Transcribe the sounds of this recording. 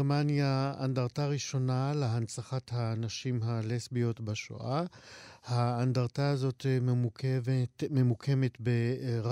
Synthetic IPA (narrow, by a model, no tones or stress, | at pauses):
manjaa̰ndaʁtaʁiʃo̞naleɦant͡saχathanaʃimɦalesbio̞tbaʃo̰ʔahaːndaʁtaazo̞t̪ | vme̞mukʰe̞metbeʁ